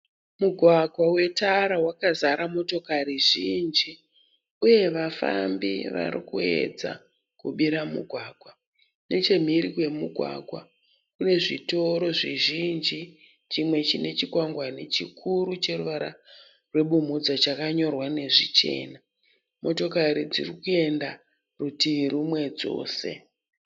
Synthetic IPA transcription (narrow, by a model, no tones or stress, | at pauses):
muɡʱwaɡʱwawe̞taɾawakazaɾamo̞to̞kariʐind͡ʒi | uje̞ʋafa̰mbḭʋa̰ɾḭkue̞̰d͡za̰ | kuɓiɾamṵɡʱwaːɡ̥ʱwa | ne̞t͡ʃe̞m̤iɾikwe̞muɡʱwa̰ɡʱwa̰ | kune̞ʐito̞ɾo̞ʐiʒind͡ʒi | t͡ʃimwe̞t͡ʃine̞t͡ʃikwaŋɡwanet͡ʃikʰuɾut͡ʃe̞ruʋaɾa | rwe̞ɓum̤ud͡zat͡ʃakaɲo̞rwane̞ʐit͡ʃe̞̰ːna | mo̞to̞kaɾid͡zḭrikue̞nda | rutiʋiɾumwe̞d͡zo̞̰ːse̞̰